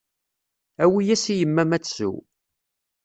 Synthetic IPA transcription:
æwijæsijəmːæmæt͡sːsṵ

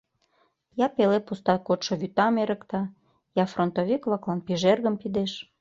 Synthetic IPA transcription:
jɑpelepust̪ɑkot̪ʃoβyt̪ɑmeɾə̆kt̪ɑ | jɑfront̪oβiklɑklɑnpiʒerɣə̆mpid̪eʃ

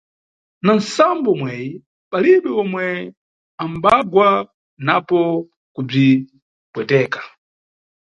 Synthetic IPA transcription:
nansambɔmwɛji | paliɓɛɔmwɛ | ambaɡwa | napɔ | kub͡ʐi | pwɛtɛːkḁ

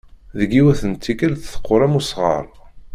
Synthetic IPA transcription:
ðəɡiwæθənt̪ʰːikəlθθə̥qʰːʊɾˤæmusʁə̰ɾˤ

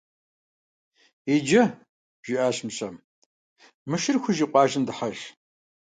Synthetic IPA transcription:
eːd͡ʒɐ | ʒ̥iʔaːɕmɕɐm | mɨʃɪrxʷʊʒiqʷɑːʒɪndɨħaɮ

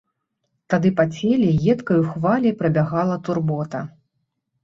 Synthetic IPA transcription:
t̪ad̪ɨpat͡sʲelʲiɣɛt̪kɐjuxvalʲipɾɐbʲaɣalˠɐt̪urbɔt̪ɐ

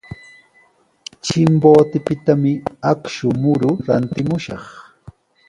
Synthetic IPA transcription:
t͡ʃɪmboːt̪ɪpɪt̪amɪakʃʊmʊɾʊɾant̪ɪmʊʃɑχ

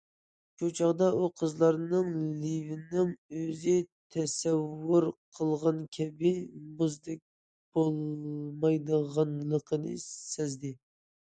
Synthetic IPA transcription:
ʃot͡ʃʰɑʁd̪ɑʔuqʰəzlˠɑɾnɨŋlivɪnɪŋøzɪt̪ʰɛsɛwːʊɾqʰəlˠʁɑnkʲʰɛbɪmʊzd̪ɛk̚ʲ | b̥olˠmɑjd̪əʁɑnlˠəqʰənɨ̰ɛzd̪ɪ

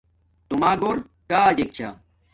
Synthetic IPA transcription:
t̪umaːɡoːɾ | kaːad͡ʑek̚t͡ɕʰa̰

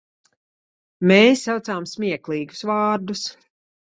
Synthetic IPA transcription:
meːsːawt̪saːmsmʲiɛklˠiːɡu̥svaːɾd̪us

